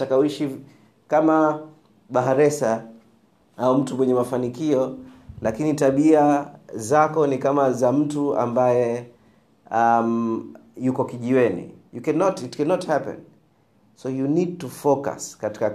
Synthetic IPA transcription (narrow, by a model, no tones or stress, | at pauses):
takawiʃi | kama | ɓaɦaɾɛsa | aum̩tumwɛɲɛmafanikiɔlakinitaɓiazakɔnikamazam̩tua̰mbajɛ | amjukɔkiʄiwɛnḭjukɛnɔtitkɛnɔthapɛ̰̃n | sɔjunid̚tufɔka̰skati̥ka